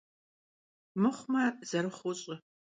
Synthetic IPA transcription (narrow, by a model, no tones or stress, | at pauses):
mɨχʷmɐz̥ɐɾɨχʷʊɕʼɪ